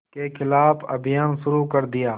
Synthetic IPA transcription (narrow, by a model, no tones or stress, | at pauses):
keːkʰɪlaːpʰə̰bjaːnʃʊɾuːkəɾd̪ɪjaː